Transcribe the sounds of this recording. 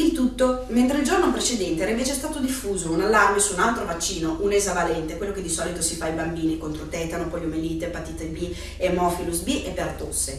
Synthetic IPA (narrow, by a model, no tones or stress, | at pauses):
ilt̪ut̪ːoment̪ɾeild͡ʒornopɾet͡ʃed̪ɛnt̪eɛːɾaĩɱveːt͡ʃeɛst̪aːt̪od̪ifːuːzounalːarmesuːnalt̪ɾovat͡ʃːiːnoʔunezavalɛnt̪ekwelːoked̪isɔːlit̪osifaibambiːnikont̪ɾot̪ɛːt̪anopɔjomeliːt̪epat̪it̪ebi | emɔfilusbiʔepːeɾat̪osːe